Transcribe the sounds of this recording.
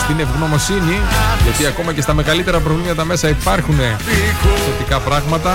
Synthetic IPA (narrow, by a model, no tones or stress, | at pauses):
st̪ine̞vɣno̞mo̞siniot̪iɐko̞mɐce̞st̪ɐme̞ɣɐlit̪e̞ɾɐpɾo̞vlimɐt̪ɐmesɐipɐɾxune̞ | θo̞t̪ikɐpɾɐɣmɐt̪ɐ